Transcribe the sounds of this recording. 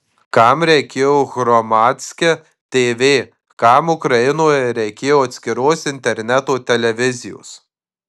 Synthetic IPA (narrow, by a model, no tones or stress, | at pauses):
kɑmɾʲɛɪkʲeːjoːɣɾɔmɑːt̪ʲsʲkʲɛ | t̪ʲeːʋʲeː | kɑmʊkɾɐɪnoːjɛɾʲɛɪkʲeːjoːɐt̪ʲsʲkʲɪɾoːsɪnʲt̪ʲɛɾʲnʲɛt̪oːt̪ʲɛlʲɛʋʲɪzʲɪjo̰ːs